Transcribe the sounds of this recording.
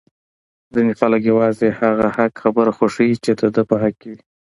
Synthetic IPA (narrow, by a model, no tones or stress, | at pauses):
dənɪqɑlɪɡjawɑzehaɣahakxabəɾaxoʂəit͡ʃed̪əd̪əpəɦakːei